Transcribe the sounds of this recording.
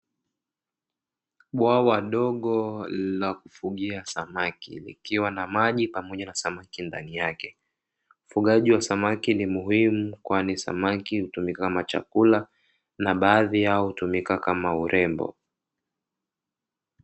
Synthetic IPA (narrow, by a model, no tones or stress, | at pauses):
ɓwawaɗɔɠɔlakufuɠiasamakḭlḭkiwanamaʄipamɔʄanasamakinda̰nijakɛ | ufuɠaʄiwasamakinimuhimukwanisa̰makihutumikakamat͡ʃa̰kula | naɓaːðijahutumikakamauɾʔɛmbɔ̰